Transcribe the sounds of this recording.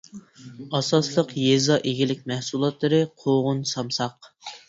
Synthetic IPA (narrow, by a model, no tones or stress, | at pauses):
ɑsɑslˠəqjezɑʔeɡʲilɪk̚ʲmɛhsulˠɑt̪lˠɨɾɨqʰoʁʊnsɑmsɑq